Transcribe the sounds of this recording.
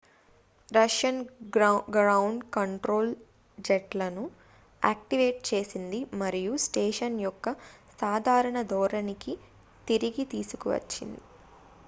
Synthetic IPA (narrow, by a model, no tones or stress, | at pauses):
ɾɐʂjɐn | ɡɾɐwɳɖkɐɳʈɾo̞ːl | d͡ʒeʈlɐnu | aːk̚ʈiʋe̞ːʈ̚t͡ʃe̞ːsind̪imɐɾijusʈeːʂɐnjɔkːɐsaːd̪ʱaːɾɐɳɐd̪ʱɔːɾɐniki | t̪iɾiɡit̪iːsukuʋɐ̰t͡ʃːḭnd̪i